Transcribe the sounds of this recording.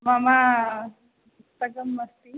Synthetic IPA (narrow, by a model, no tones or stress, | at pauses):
mama | sɐɡɐmːɐst̪i